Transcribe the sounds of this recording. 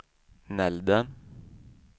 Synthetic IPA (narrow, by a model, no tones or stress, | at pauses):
nɛld̪ən